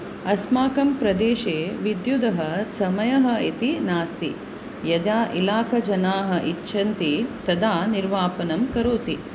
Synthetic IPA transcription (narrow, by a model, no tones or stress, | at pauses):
ɐsmaːkɐmpɾɐd̪eːʃeːʋid̪jud̪ɐɦɐsɐmɐjɐɦɐ̆it̪inaːst̪ḭ | jɐd̪aːʔilaːkɐd͡ʒɐnaːɦɐ̆ʔitːʃʰɐnt̪it̪ɐd̪aːniɾʋaːpɐnɐmkɐɾoːt̪i